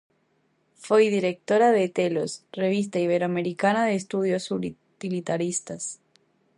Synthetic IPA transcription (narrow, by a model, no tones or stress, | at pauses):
fejðiɾek̚t̪oɾaðet̪elosre̞β̞is̬t̪aiβe̞ɾoameɾikanaðeːst̪uð̞jo̞su | t̪ilit̪aɾist̪as